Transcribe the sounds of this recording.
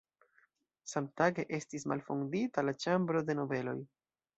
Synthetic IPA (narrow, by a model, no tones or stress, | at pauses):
samtaɡe̞ʔe̞stisma̰lfo̰nditalat͡ʃambɾo̞de̞no̞ve̞lo̞̰j